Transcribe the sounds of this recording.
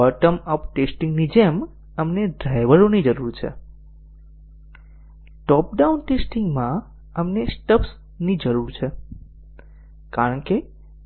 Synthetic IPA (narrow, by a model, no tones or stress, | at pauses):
ɔʈəməpʈesʈĩŋɡnid͡ʒɛm | əmneɖɾajʋəɾonid͡ʒəɾuɾt͡ʃʰḛ | ʈɔp̚ɖaunʈesʈiŋɡmã | əmnesʈəps | nid͡ʒəɾuɾt͡ʃʰe | kaɾəɳke